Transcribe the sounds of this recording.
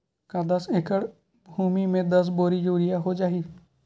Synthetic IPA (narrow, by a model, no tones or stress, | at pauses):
kad̪əsekəɽ | bʱuːmimẽd̪əs̬boːɾid͡ʒuːɾɪjaɦod͡ʒaːɦiː